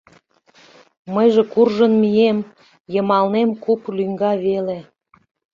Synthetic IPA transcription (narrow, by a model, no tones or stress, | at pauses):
məjʒekurʒənmijem | jəmɑlnemkuplyŋɡɑβele